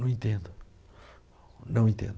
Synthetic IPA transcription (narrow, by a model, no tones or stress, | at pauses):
ɐ̃w̃ĩnt̪ẽnd̪u | nɐ̃w̃ẽnt̪ḛ̃nd̪